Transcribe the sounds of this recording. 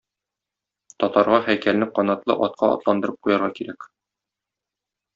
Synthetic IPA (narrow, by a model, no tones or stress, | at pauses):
t̪ɒt̪ɑɾʁɑχæjkælnɘqɒnɑt̪lˠɤ̰ʔɒt̪̚qʰɑɒ̰t̪lˠɑnd̪ɤ̆ɾɤp̚qujɑɾʁɑkiɾæk